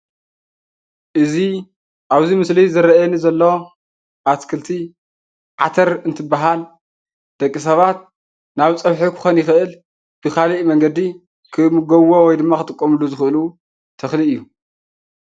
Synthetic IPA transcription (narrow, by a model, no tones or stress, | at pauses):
ʔɨzi | ʔaβzimɨslizɨɾɐɛnizɐlːo̞ | ʔaskʰɨlt̪ʰi | ʕa̰t̪ʰɐɾɨnt̪ʰɨbːaɦal | d̪̥ɐkʼːis̬ɐβat̪̚ | naβt͡sʼɐβħokʰɨ̥xonjɪxɨʔɨl | b̥ɨkʰaliʔmɐŋɡɐd̪i | kʰɨmɨɡɐwowɔjd̪ɨmːaxɨt̪ʼɨkʼːomɨlːuzɨxɨʔɨlu | t̪ʰɐxliɨjːu